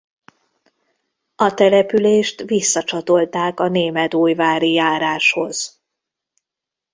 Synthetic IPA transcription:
ɒt̪ɛlɛpyleːʃt̪ʋisːɒt͡ʃɒt̪o̞lt̪aːkɒneːmɛt̪uːjvaːɾijaːɾaːʃho̞z̥

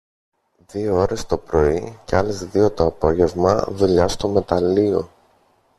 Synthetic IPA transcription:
ðioo̞ɾe̞st̪o̞pɾo̞iceɐlezðio̞t̪oɐpo̞ʝe̞vmɐ̰ðuʎɐst̪o̞me̞t̪ɐlio̞

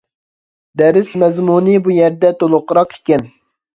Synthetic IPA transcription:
d̪ɛɾɪsmɛzmunɨbujɛɾd̪ɛt̪olˠoqːɾɑqe̥kʲɛn

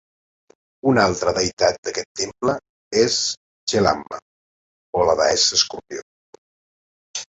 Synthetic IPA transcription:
unalˠt̪ɾəðəjt̪at̪̚d̪əkɛt̪ːemplə | es | ʒela̰mːə̰ | oləða̰ɛsəskuɾpjo̰

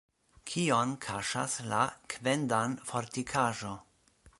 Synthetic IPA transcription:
kʰionkʰaʃa̰slakʰve̞ndanfo̞ɾtikʰaʒo̞

